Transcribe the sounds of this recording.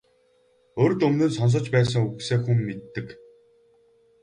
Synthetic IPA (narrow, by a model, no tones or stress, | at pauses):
oːɾɵ̆t̪ɵmnɵ̆nsɔns̬ɞ̆t͡ɕpæːs̬ə̆ŋuɣseːxumːet̪ːɘ̆k